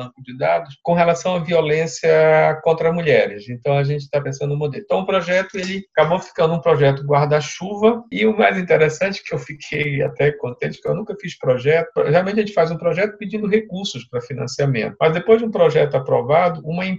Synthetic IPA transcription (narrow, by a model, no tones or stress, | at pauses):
bɐ̃kʊd͡ʒɪd̪ad̪ʊskõɦelasɐ̃w̃ɐviolẽsjɐkõnt̪ɾɐzmuʎɛɾɪsẽnt̪ɐ̃w̃aʒẽnt͡ʃɪ̥t̪apẽsɐ̃d̪ʊũmod̪elẽt̪ɐ̃w̃ʊpɾɔʒɛt̪ʊelɪakabofi̥kɐ̃nd̪ʊũpɾɔʒɛt̪ʊɡwaɾd̪aʃuvɐɪʊma̰jzĩnt̪eɾɛsɐ̃nt͡ʃɪ̥kɪewfikʰeja̰t̪ɛkõnt̪ẽʊ̥kḛwnũkɐfiʃpɾɔʒɛt̪ʊɦɛalˠwmẽt͡ʃ̬ɐʒẽt͡ʃɪfazũpɾɔʒɛt̪ʊ̥pid͡ʒĩnd̪ʊɦekuɾsʊspɾɐfinɐ̃siamḛ̃nt̪ʊmɐzd̪epojzd͡ʒũpɾɔʒɛt̪ʊapɾɔ̰vad̪ʊũmɐĩ